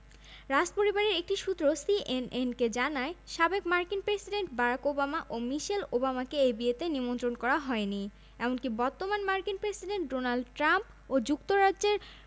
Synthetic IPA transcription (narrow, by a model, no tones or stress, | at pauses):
ɾad͡ʑpoɾibaɾeɾek̚ʈiʃut̪ːɾosiʔenenked͡ʑanaeʃabekmaɾkinpɾesiɖeɳʈbaɾakobamaʔomiʃelobamakeebiet̪enimont̪ɾonkɔɾaɦɔeni | ɛmonkibɔɾt̪omanmaɾkinpɾesiɖeɳʈɖonalɖʈɾamp | od͡ʑuk̚t̪oɾadʑeɾ